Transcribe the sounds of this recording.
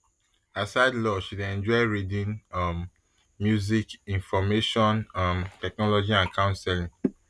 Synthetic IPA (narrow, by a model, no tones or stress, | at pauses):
asaɪdlɔʃidɛ̃nd͡ʒɔɪɹidĩnmː | juzikĩnfɔmeʃɔ̃nʌ̃mtɛk̚nɔlɔd͡ʒiãnkʰãʊ̃nsɛlĩŋ